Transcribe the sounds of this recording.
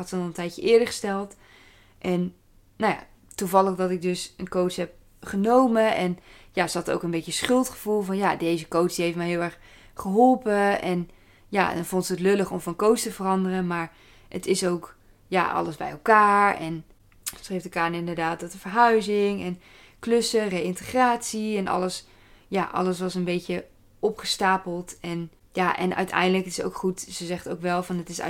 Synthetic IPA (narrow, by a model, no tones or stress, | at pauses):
ɑtsənɔlˠəntɛjtjəʔɪːəɹdəɹχə̥stɛlˠt | ʔɛn | naja̰ | tuvɑlˠəχdɔtɪɡ̚dɵsənkowtsɦɛp̚ | χənowməʔɛnjasəɑto̰wkənbetjəsχʏlˠtχəv̥ulˠvɑnjadejzəkowtsd̥iɦeftmɛjɦɪlˠɛɹχ | χəɦɔlˠpəʔɛn | ja̰dɔnvɔntsəətløləχɔmfɑnkowstəvərɑndərənmaːɹ | ətɪsowk | ja̰ʔɑ̰ləzbɛ̰jɛlˠkaːɹɛ̰n | rejftəkaːnəɪndəɹdaːt̚dɔtəvəɹɦœɥzɪŋɛn | klɵsərejɪntəχraːtsiɛnʔɑ̰ləs | jaʔɑ̰ləsʋɑsənbejcə | ʔɔpχəstaːpəlˠtɛn | jaʔɛ̰nʔœ̰ɥtʰɛ̰jndələkɪ̥so̰wkχutzəzɛχtowkʋɛlˠvɑnətɪs